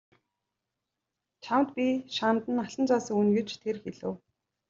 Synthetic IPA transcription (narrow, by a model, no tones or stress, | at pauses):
t͡ɕʰamt̪pʲiʃant̪ə̆naɮə̆nt͡sʰaːsə̆ŋunɡĕt͡ɕt̪ʰerxeɮɘ̆w